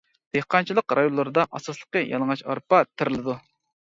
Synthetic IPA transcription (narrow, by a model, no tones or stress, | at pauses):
d̪̥ehqʰɑnt͡ʃʰilˠəqɾʔɑjonlˠɨɾɨd̪ɑʔɑsɑslˠə̥qəjʔɑ̰lˠəŋɑt͡ʃɑ̰ɾpɑt̪ʰɪɾɪlˠɨd̪u